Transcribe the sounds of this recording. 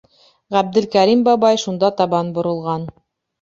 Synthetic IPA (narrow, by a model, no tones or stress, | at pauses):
ʁæb̚d̪ɘ̆lkæɾimbɑβɑjʃund̪ɑt̪ɑβɑnbŏɾɤ̆lˠʁɑn